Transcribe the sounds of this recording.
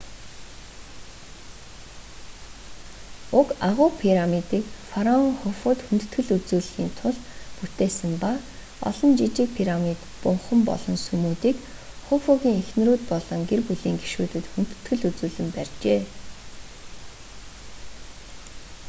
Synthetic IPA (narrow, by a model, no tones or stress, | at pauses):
ʊkaʁʊːpʰiɾamit̪iːkfaɾɔŋχʊfʊːt̪xunt̪ɵ̥̆t̪ɡɘ̆ɮut͡suːɮxiːnt̪ʰʊɮput̪eːsə̆mpa | ɔ̰ɮɞ̆nt͡ɕit͡ɕɪ̆k̚pʰiɾamit̪pʊɴχə̆mpɔ̰ɮɞ̆nsɵmuːt̪iːk | χʊfoɣiːŋexn̆ruːt̪pɔɮɞ̆ŋɡerpuɮiːŋɡi̥ʃuːt̪ɘ̆t̪xun̥t̪̆t̪ɡɘ̆ɮut͡suːɮɘ̆mpærʲt͡ɕeː